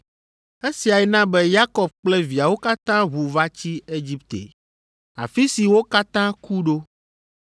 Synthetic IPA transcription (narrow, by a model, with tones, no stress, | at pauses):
e˦si˨a˨ɛ˨nã˦bɛ˦ja˦kɔ˨b̚k͡plɛ˦vi˨a˨wo˦ka˦t̪ã˦βu˨va˦t͡ɕi˦e˦d͡ʑi˦pt̪ḛ˨ | a̰˨fi˦si˨wo˦ka˦t̪ã˦ku˦ɖo˦